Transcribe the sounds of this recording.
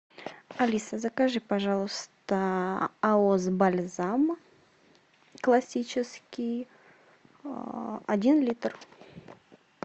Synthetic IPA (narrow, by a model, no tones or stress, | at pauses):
ɐlʲisəzɐkaʐɨpaʐɑlˠəst̪əaozbalʲzam | klˠasʲit͡ʃɪskʲij | adʲinlʲit̪r